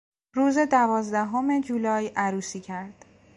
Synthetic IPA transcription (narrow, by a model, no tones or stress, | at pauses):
ɾuːze̞d̪ævɒːzd̪æɦo̞me̞d͡ʒuːlɒːjʔæɾuːsiːcʰæɾd̪̥